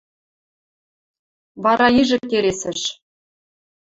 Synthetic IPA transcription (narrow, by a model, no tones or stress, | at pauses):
βɑɾɑiʒɘ̆k̚kːeɾesɘ̆ʃ